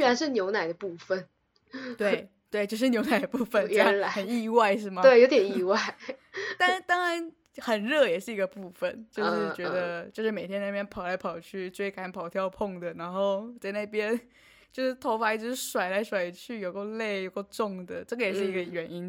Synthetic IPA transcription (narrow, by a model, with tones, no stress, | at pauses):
y˥˩ɻa˧˥nʂɻ̩˥˩njo˧˥ʊna˨˩ɪd̪ə˩pu˥˩fə˨˩n | t̪we˥˩ɪ | t̪we˥˩ɪt͡ɕjo˥˧ʊʂ̬ɻ̩˥njo˧˥ʊna˨˩ɪə˧˩pu˥˩fə˨˩n˥˧la˧˦xə˨˩ni˥˧wa˥˧ɪʂɻ̩˥˩mɐ˨we˥˩ɪjo˧˥ʊt̪jɛ˨˩ni˥˧wa˥˩ɪt̪a˥˩n˦t̪ɑ˥ŋɻa˧˥n | xə˨˩nɻɤ˥˩jɛ˨˩ʂɻ̩˥˩i˧˥ɡə˧pu˥˩fə˩nt͡ɕjo˥˧ʊʂɻ̩˥˩t͡ɕɥɛ˧˥d̪ə˧t͡ɕjo˥˧ʂɻ̩˥˩me˨˩ɪjɛ˥na˥˩pjɛ˥npʰɑ˨˩ʊla˧˥ɪpʰɑ˨˩ʊt͡ɕʰy˥˩ʈ͡ʂwe˥ɪka˨˧˩n˩pʰɑ˨˩ʊt̪ʰjɑ˥˧ʊpʰʊ˥˩ŋd̪ə˩na˧˥nxo˥˧ʊt͡sa˥˧ɪna˥˩ɪp̬jɛ˥n | t͡ɕjo˥˧ʊʂɻ̩˥˩t̪ʰo˧˥ʊfa˧˥i˥˩ʈ͡ʂɻ̩˧˥ʂwa˨˩ɪla˧˥ɪʂwa˨˩ɪt͡ɕʰy˥˩jo˨˩ʊko˥˧le˥˩ɪjo˨˩ʊko˥˧ʊʈ͡ʂʊ˥˩ŋd̪ə̰˩ʈ͡ʂɤ˥˩ɡə˩jɛ˨˩ʂʂɻ̩˥˩i˧˥ɡə˧ɥɛ˨˩ni˥n